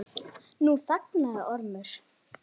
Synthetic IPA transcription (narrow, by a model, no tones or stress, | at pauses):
nuθaknaʔɔɾmʏɾ̥